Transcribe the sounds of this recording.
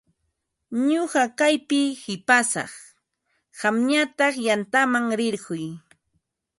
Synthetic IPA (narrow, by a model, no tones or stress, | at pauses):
ɲoɢɑkajpɪhɪpasɑ̰χ | ɢɑmɲat̪ɑχjant̪amaŋɾɪɾɢʊj